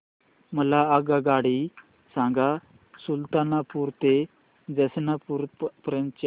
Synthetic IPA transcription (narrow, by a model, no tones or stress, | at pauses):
məlaːɡaɡaɽi | sãŋɡa | sult̪anapuːɾt̪e | d͡zəsnapuɾpəɾə̃nt͡ʃ